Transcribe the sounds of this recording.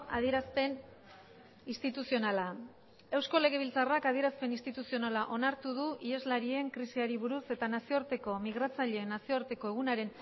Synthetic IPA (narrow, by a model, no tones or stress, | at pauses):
aðie̞ɾaspe̞n | ist̪it̪usio̞nala | e̞wsko̞le̞ɣ̞e̞β̞ilt͡sarakað̞ie̞ɾaspe̞ninst̪it̪usio̞nalaʔo̞naɾt̪uð̞uʔie̞zlaɾie̞ŋkɾisiaɾiβuɾuse̞t̪anasio̞aɾt̪e̞ko̞miɣɾat͡saʎe̞ːnasio̞aɾt̪e̞ko̞eɣ̞unaɾe̞n